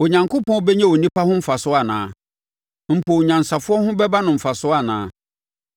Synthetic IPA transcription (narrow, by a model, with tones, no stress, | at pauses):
o˨ɲã˨ŋko˦pʰɔ̃˦bɛ˦ɲɛ̃˦o˨nĩ˦pa˦hʊ̃˦m̩˦fa˨sʊ˦a˨nã̰ː˨ | m̩˨pʰo˨ɲã˨n˨sa˨fʊ˦ɔ˦hʊ̃˦bɛ˦ba˦nʊ̃˨m̩˨fa˨sʊ˦a˨nã̰ː˨˦˨